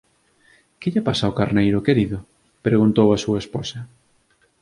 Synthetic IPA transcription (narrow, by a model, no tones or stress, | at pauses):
kɪʎapasaokaɾnejɾʊkeɾiðʊ | peɾɣunt̪owasuɐesposɐ